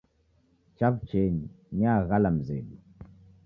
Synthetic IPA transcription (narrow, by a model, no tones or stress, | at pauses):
t͡ʃapt͡ʃɛɲi | ɲaɣalam̩zɛ̰ɗu